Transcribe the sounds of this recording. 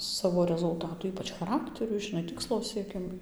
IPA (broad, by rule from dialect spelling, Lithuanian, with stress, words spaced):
ˈsɑːʋoː rʲɛzʊlˠˈtɑːtuː ˈiːpɐt͡ʃ xɐˈrɑːktʲɛrʲʊ ʒʲɪˈnɐɪ ˈtʲɪkslˠoː sʲiɛˈkʲɪmʊɪ